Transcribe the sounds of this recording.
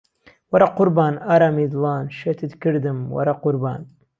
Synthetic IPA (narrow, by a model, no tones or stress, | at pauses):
wɑɾˤɑqʊɾbaːnaɾamid̪lɑːnʃet̪ɨt̪kɨɾd̪ɨmwɑ̰ɾˤɑqʊɾba̰ːn